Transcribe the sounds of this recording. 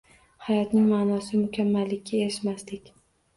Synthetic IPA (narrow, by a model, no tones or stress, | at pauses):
hajɒt̪nɪŋmaːnɒsɪmʊkʲʰamːalːɪkʲʰːaeɾɪʃmast̪ɪkʲ